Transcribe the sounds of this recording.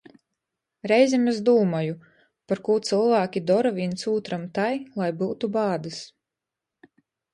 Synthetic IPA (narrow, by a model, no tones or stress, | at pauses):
ɾɛjzʲɛmezd̪uːmaju | paɾkuːt̪sɨlˠvaːkʲid̪ɔɾavint̪suːt̪ɾamt̪ajlˠajbuːt̪ubɑːd̪ɨs